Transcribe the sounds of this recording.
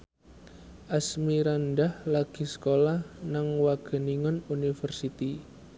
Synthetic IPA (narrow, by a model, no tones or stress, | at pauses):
ʔasmiɾanɖahlaɡ̥i̤sə̥kolahnaŋwaɡ̥ə̤niŋɔnunifərsit̪i